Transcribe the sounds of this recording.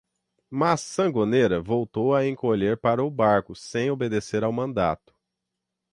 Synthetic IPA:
masːɐ̃ɡoneɾɐvowt̪owɐẽŋkoʎeɾpaɾɐʊbaɾkʊsẽj̃obed̪eseɾawmɐ̃nd̪a̰t̪ʊ̥

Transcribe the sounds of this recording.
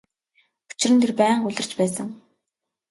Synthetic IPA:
u̥t͡ɕɪrɘ̆nt̪ʰerpæːɴxuɮʲə̆r̥t͡ɕpæːsə̆ŋ

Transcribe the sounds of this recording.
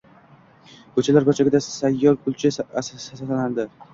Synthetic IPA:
kɵt͡ʃʰalaɾbat͡ʃʰaɡʲɪd̪asajːɒɾkʰʊlˠt͡ʃʰɪsasat̪ʰaland̪ɪ

